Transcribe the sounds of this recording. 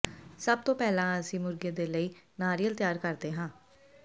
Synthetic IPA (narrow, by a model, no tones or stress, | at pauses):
səb̚t̪õːpɛːlãːəsĩːmʊɾɡeːd̪eːləiːnaːɾijəlt̪jaːɾkəɾd̪eːɦãː